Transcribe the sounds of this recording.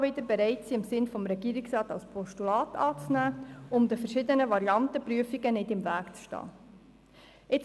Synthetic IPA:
ʋɪdəɾbɛɾɛɪtsiːɪmsɪnfɔmɾɛɡiːɾiksrɑːtɑlspʰɔʃtulɑːtɑːt͡snæːʊmd̪əfəɾʃɪdənəʋɑɾiɑnt̪əpɾyəfiɡənɪdɪmvæːkt͡sʃtɑ̰ː | ɪt͡s

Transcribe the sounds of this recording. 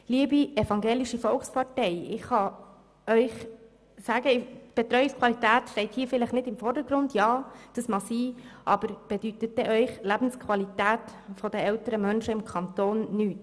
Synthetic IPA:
liəbiɛfɑŋɡeːliʃifɔlχspʰɑrtɛɪɪχhɑ | œʏχ | sæːɡəɪb̥ɛt̪ɾœʏɪkskʰwɑlit̪æːtʃtɛɪthiːfɪləχnɪdɪmfɔɾdəɾɡɾʊndjɑːd̥əsmɑsiːʔɑb̥əɾb̥ɛd̥ytət̚dɛʔœʏχlæb̥n̩skʰwɑlitæːtfɔd̥əɛlt̪əɾəmœnʃəɪmkʰɑnt̪oːnːyːt

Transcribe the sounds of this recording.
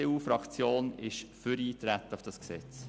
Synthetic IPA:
euːfɾɑkt͡sjoːnɪʃfəɾiːt̪ɾæt̪ːəʊfd̥ɑsksɛ̰t͡s

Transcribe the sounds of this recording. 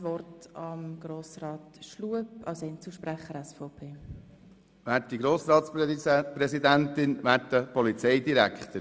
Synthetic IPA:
ʋɔrtɑmɡ̥ɾoːsrɑːtʃluəpɑwsɛnt͡suʃpɾæχəɾɛsfɔʊpʰeː | ʋæːɾtdiɡɾoːsɾɑːt̪spɾɛsid̪ænt̪ɪnvæːɾtəpɔlit͡sɛjd̪iɾækχt̪əɾ

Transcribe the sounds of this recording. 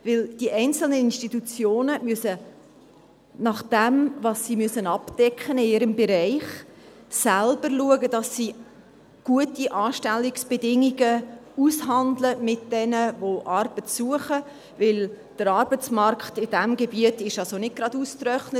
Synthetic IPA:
vɪld̥iʔɛɪnt͡sl̩nəɪnʃtitut͡sjoːnəmyəsə | nɑχd̥ɛmvɑsːimyəsənɑpd̥ɛkχənɪɪɾəmbeɾɛɪχ | sælb̥əɾluəɡəd̥ɑsːi | ɡ̥uətiʔɑːʃtɛlːiksb̥edɪŋiɡəushɑndləmɪt̚d̥ɛnəvoʔɑrb̥ətsuəχə | vɪl | d̥əɾɑɾbət͡smɑrkχtɪd̥æmɡebiətɪʃɑlsonɪɡ̚ɡ̥ɾɑdustɾœχnət

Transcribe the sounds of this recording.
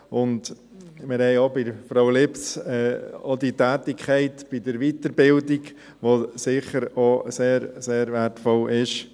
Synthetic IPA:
ʊnd | mɪɾhɛɪobɪɾfɾowlɪpt͡sɛːɔd̪itæːtɪkʰχɛɪtb̥ɪd̥̪əɾʋit̪əɾbɪldiɡ | ʋosɪχəɾoseːɾseːɾʋæɾtfɔlɪʃ

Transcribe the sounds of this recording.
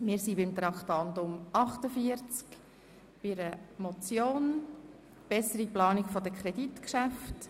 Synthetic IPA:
mɪːɾsibɪmt̪ɾɑkχtɑndʊmɑχtəfiəɾt͡sk | b̥ɪɾəmɔt͡sjoːn | b̥ɛsəɾiplɑːnikfɔdəkʰχɾɛditkʃæft

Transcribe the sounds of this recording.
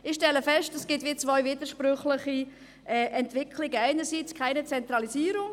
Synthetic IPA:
ɪʃtɛlːəfɛʃtɛsɡ̥ɪtʋiːt͡svɔʏviːdəʃprʏχlɪχi | ʔɛʔɛntvɪkʰlɪɡəaɪnəɾsit͡skʰaɪnət͡sɛnt̪ɾɑlisiːɾʊŋ

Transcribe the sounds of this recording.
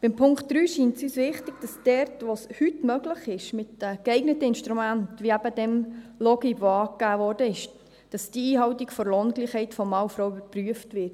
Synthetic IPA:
b̥ɪmpʰʊŋktd̥ɾyːʃiːntsyːsʋɪχtɪɡ̥d̥ɑsd̥ɛɾtʋoshytmœɡləχɪʃmɪtɛkɛɪɡnətəɪnʃtɾumæntʋiæb̥ədɛmlɔɡiʋoɑːkːæːʋɔːrd̥əɪʃ | d̥ɑsd̥iiːɦɑwtiɡfɔɾloːnɡliːχhɛɪtfɔmːɑwfɾɔwybəɾpryəftʋɪɾt

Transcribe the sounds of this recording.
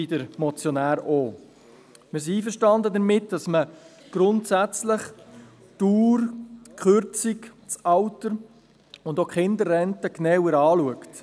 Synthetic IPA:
idəɾmɔt͡sjɔnæːɾoː | mɪs̬iiːfəɾʃtɑndədəɾmɪtd̥ɑsmə | ɡ̥ɾʊntsæt͡sləχ | tuːɾkχøɾt͡sik | t͡sɑwtəɾ | ʊndokχɪndəɾːɛntəknɛwəɾɑːluəkt

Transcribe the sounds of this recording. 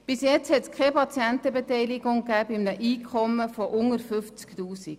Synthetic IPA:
b̥ɪsjɛt͡shɛtskʰχɛpʰɑt͡sjɛntəbetɛɪlɪɡ̥ʊŋkæːbɪmnəʔiːkʰɔməfɔʔʊŋəɾfʏft͡sktuːsiɡ̥

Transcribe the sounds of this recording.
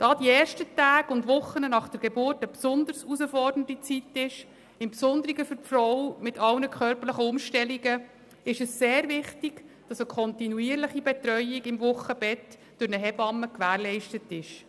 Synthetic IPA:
d̥ɑːd̥iɛːʃtətæːɡ̥ʊndʋʊχənənɑχd̥əɾɡ̥ebʊrtəpsʊnd̪əɾsusəfɔrd̥əndit͡sitɪʃ | ɪmpsʊnd̪əɾiɡəfʏɾfrɔwmɪtʰɑlnəkʰχœrpəɾləχəʊmʃtɛliɡə | ɪʃəsːeːɾvɪχtiɡ̥d̥ɑsəkʰɔntinuiːəɾləχibɛtɾœʏiɡɪmvʊχəb̥ɛt | d̥ʊɾnəɦɛbɑmːəkʋæːɾlɛɪʃtətɪʃ

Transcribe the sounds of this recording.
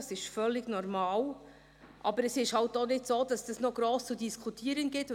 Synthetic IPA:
sɪʃfœlːɪɡ̥nɔɾmɑːl | ʔɑbəɾɛsɪʃhalt̚dɔnɪtsoːd̥ɑsd̥ɑsnoɡ̥ɾoːst͡sudiskʰutʰiːəɾənɡɪt

